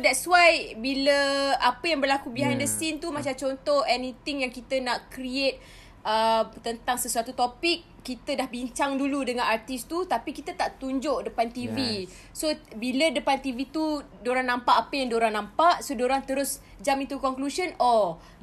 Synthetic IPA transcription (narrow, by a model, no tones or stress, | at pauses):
dɛt̪̚suwajbiləapəjaŋbərlakubiɦandəsint̪umat͡ʃamt͡ʃɔnt̪ɔhɛnit̪iŋjaŋkit̪ənaʔkɾiet̪̚ | ət̪ənt̪aŋsəsuat̪ut̪opik̚ːit̪ədahbiɲt͡ʃaŋduludəŋãnart̪ist̪ut̪apikit̪ət̪aʔt̪uɲd͡ʒʊʔdəpant̪ivi | sobilədəpant̪ivit̪u | doɾaŋnãmpaʔapəjaŋdoɾaŋnãmpaʔsodoɾaŋt̪əɾʊs | d͡ʒamint̪ukɔŋklusənɔ